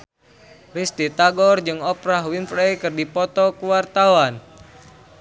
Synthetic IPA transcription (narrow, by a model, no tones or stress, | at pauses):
rist̪it̪aɡɔrd͡ʒɨŋɔpɾaɦwinfɾejkɨrdipɔt̪ɔkuwart̪awan